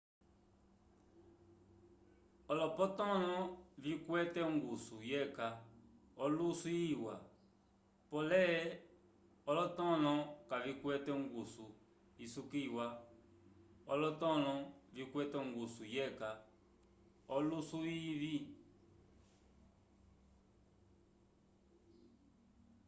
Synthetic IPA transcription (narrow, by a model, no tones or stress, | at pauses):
ɔlɔpɔtɔnɔ̃vikwɛtɛŋɡusujɛka | ɔlusuiwa | pɔlɛ | ɔlɔtɔ̃nɔ̃kavikwɛtɛŋɡusu | isukiwa | ɔlɔtɔnɔ̃vikwɛtɛŋɡusujɛka | ɔlusuivi